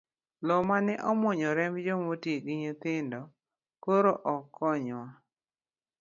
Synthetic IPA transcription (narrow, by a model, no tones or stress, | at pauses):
lɔmanɛʔɔmwɔɲɔɾɛmbd͡ʒomotiɡɪɲot̪ɪndɔ | koɾoʔɔkːɔɲwa